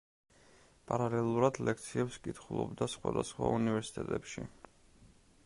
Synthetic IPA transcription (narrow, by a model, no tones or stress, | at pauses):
pʼaɾalɛlˠuɾad̪lɛk̚ʰt̪sʰiɛpskʼit̪ʰχulˠɔbd̪asχwa̰d̪asχwaunivɛɾsi̥t̪ʼɛt̪ʼɛpʃḭ